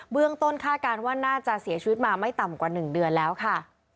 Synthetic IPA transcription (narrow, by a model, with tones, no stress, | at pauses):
bɯ˥˩əŋt̪o˥˩nkʰaː˥˩t̪̚kaː˧nwaː˥˩naː˥˩t͡ɕa˨˩ʔsi˩˦t͡ɕʰi˧wi˦˥t̪̚maː˧ma˥˩jt̪a˨˩mkwaː˨˩nɯ˨˩ŋdɯ˧ənlɛː˦˥wkʰa˥˩